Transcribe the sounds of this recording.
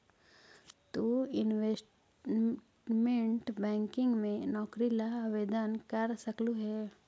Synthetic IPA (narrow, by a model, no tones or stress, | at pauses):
t̪uɪnʋesʈ | ʈmẽʈbɛ̃ːŋkɪ̃ŋɡmẽnɔːkɾilaʋeːd̪ənkɐɾsəkluɦɛː